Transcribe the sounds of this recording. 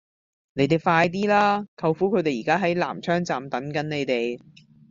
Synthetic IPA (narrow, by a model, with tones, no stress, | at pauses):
ne˨˧˥jt̪e˨˩jfaː˧jt̪̬iː˥laː˥kʰɐ˧wfuː˨˥kʰɵ˨˧ɥt̪e˨jiː˨˩kaː˥ɦɐ˨˥jla̰ː˨˩mt͡ʃʰœː˥ŋt͡saː˨mt̪ɐ˨˥nkɐ˨˥nne˨˧jt̪e˨j